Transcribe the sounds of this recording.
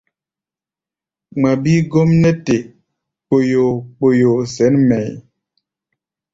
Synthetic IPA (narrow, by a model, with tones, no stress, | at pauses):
ŋ͡ma˨bi˦ɡo˦mnɛ˦te˨ | k͡po˨jo˨k͡po˨jo˨sɛ˨˦nmɛ˨j